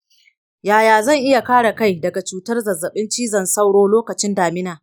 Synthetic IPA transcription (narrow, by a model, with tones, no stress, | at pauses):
jaː˨jaː˨zɐ˦˨ŋʔɪ˦ja˨kaː˦ɽa˨ka˦˨jdɐ˨ɡa˨t͡ʃuː˨tɐ˦rzɐ˨zɐ˨ɓɪ˦nt͡ʃiː˦zɐ˨nsa˦wɽoː˦loː˦kɐ˨t͡ʃɪ˦ndaː˨mɪ˦naː˨